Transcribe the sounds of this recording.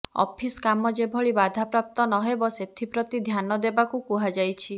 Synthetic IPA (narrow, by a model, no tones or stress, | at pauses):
ɔ̰pʰiskamɔd͡ʒebʱɔɭibad̪ʱapɾap̚t̪ɔnɔɦebɔset̪ʰipɾɔt̪id̪ʱjanɔd̪ebakukuɦad͡ʒajt͡ʃʰi